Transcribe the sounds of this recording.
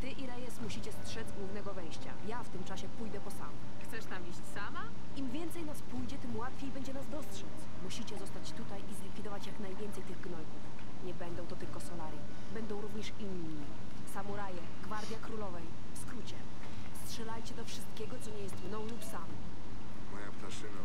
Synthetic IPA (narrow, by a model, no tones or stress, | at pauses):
t̪ɘʔiɾɛjɛsmuɕit͡ɕɛstʂɛd̪zɡwuvnɛɡɔvɛj̃ɕt͡ɕa̰jaft̪ɘmt͡ʂaɕɛpujd̪ɛpɔsa̰m | xt̪sɛʂt̪amiɕt͡ɕsama | imvʲjɛnt̪sɛjnaspujd͡ʑɛt̪ɘmwat̪fʲjejbɛɲd͡ʑɛnazd̪ɔstʂɛt͡s | muɕit͡ɕɛzɔst̪at͡ɕt̪ut̪ajʔizlʲikfʲid̪ɔvat͡ɕjaknajvʲɛnt̪sɛjt̪ɘɣɡnɔjɡ̪uf | ɲɛbɛnd̪ɔ̃w̃t̪ɔt̪ɘlkɔsɔlaɾi | bɛnd̪ɔ̃w̃ɾuvɲɛʂinː | i | samuɾajɛ | ɡvaɾd̪ʲjakɾulɔvɛj | fskɾut͡ɕɛ̰ | stʂɛlajt͡ɕɛd̪ɔfʂɘst̪kʲɛɡɔt̪sɔɲɛjɛst̪mnɔ̃w̃lupsamɔ | mɔja̰pt̪aʂɘna